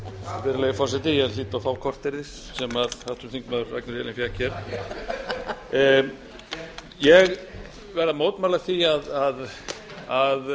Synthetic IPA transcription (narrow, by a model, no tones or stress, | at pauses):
vɪɾalɛjʏfɔrsɛt̪ɪjɛðliːt̪awfaːwkʰɔr̥t̪ɪɾðɪsːɛmaðhat̪ʏmθiŋkmaðʏɾa̰knat̪ʰɛlɪnfjacʰɛɾ | jɛɣ | vɛɾðamoːwt̪maːlaθiaðað | að